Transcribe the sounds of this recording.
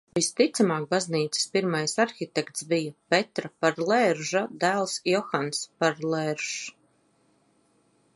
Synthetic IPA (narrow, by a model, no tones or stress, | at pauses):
vist̪it̪samaːk̚bazniːt̪sɪ̥spiɾmajsaɾxit̪ɛkt̪sbijapɛt̪ɾapaɾlˠɛɾʒad̪æːlˠsjɔxanspaɾlˠɛɾʒ